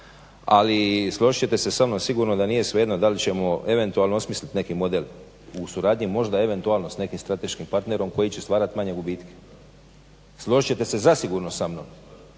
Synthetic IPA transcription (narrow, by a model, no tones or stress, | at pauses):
a̰lislˠo̞ʒit͡ɕe̞t̪e̞se̞samnomsiɡuɾnod̪aniːje̞sʋed̪nod̪alit͡ɕe̞mo̞ʔe̞ʋe̞nt̪ualnoosmislit̪ne̞kimo̞d̪el | usuɾaːd̪ɲimo̞ʒd̪ae̞ʋe̞nt̪uaːlno̞sne̞kimst̪ɾat̪e̞ʃkimpaɾt̪ne̞ɾo̞mko̞jit͡ɕe̞st̪ʋaːɾat̪imaɲe̞ɡubiːt̪ke̥ | slˠo̞ʒit͡ɕet̪e̞se̞zasiɡuɾnosamno̰m